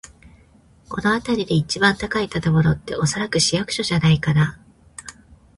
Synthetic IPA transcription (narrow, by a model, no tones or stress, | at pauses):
ko̞̰no̞at̪aɾʲid̪e̞it͡ɕibãnt̪akait̪at̪ebo̞ɾo̞t̪ːe̞ʔo̞so̞ɾakɯ̟ɕijakɯ̟̥ɕo̞ʑanaikana